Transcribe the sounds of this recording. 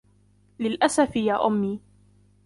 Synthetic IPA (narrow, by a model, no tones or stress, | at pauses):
lɪlʔasafɪjaːʔʊmːiː